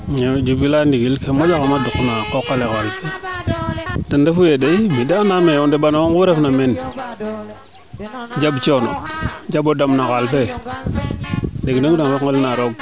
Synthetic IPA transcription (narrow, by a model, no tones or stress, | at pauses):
ɲed͡ʒubilandiɡilkemod͡ʒakamadukːnakokːaleɣalfe | tandefujedeimideanameondeɓanooɡuɾefnamen | d͡ʒabt͡ʃono̰d͡ʒabodamnaɣalfe | deɡnodaŋweŋəlnaɾoɡ̚